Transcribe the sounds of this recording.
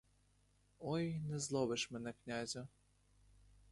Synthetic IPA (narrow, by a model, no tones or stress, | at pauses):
ɔjnɛzlˠɔbɨʂmɛnɛknʲazʲʊ